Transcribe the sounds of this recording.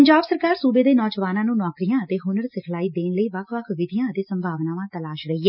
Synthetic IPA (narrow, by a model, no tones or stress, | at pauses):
əɲd͡ʒaːbsəɾkaːɾsuːbeːd̪eːnɔːd͡ʒʋaːnãːnũːnɔːkɾijãːət̪eːɦʊnəɾsɪkʰlaːiːd̪eːnləiːʋəkʰʋəkʰʋɪd̪ijãːət̪eːsəmbʱaːʋnãːʋãːt̪əlaːʃɾəɦiːɛː